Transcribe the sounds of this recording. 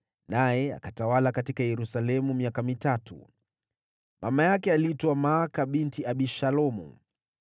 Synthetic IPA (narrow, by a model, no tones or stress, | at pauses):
najɛa̰katawalakatikajɛɾusalɛmumiakamitatṵ | mʔamajakɛalitɔamaːkaɓintiaɓiʃalɔmṵ